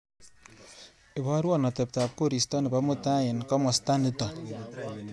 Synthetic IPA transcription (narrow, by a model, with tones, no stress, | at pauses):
e˨βo˦ɾwo˦˨na˨te˨pta˨pko˦ɾi˨sto˦ni˨βa˦mu˦ta˦je˨nko˦mo˨sta˦ni˦ta˨